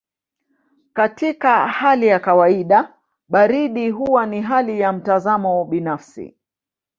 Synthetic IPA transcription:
katikahalijakawaiɗa | ɓaɾiɗiɦuwaniɦalijam̩tazamɔɓinafsḭ

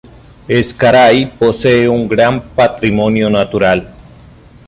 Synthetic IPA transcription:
eskaɾajposeeuŋɡɾampat̪ɾimonjonat̪uɾal

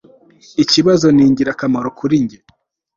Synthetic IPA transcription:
iciβazo̞niːɲɟiɾakamaɾokʰuɾiɲɟe

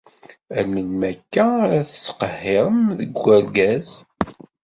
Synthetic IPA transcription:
ælːənmækːæɾæθə̥sːqəhːɪɾˤəmðəɡʷːæɾɡæz

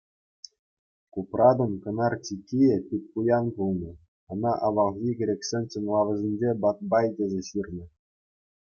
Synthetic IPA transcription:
kuprɑd̪ŏnkɤ̆nɑrt͡ɕʲikʲːijepʲip̚ʲkujɑnbulˠnɤ̆ | ɤ̆nɑʔɑʋɑlɣʲiɡʲɘ̆ɾʲekʲsʲenʲt͡ɕɤ̆nlˠɑʋɤ̆zʲenʲd͡ʑebɑt̪̚bɑjdʲezʲeɕirʲnʲɘ̆

